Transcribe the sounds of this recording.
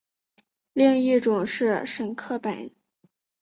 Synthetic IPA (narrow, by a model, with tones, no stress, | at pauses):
li˥˧ŋi˥˩ʈ͡ʂʊ˨˩ŋʂɻ̩˥˧ʂə˨˩ŋkʰɤ˥˩pa˨˩˦n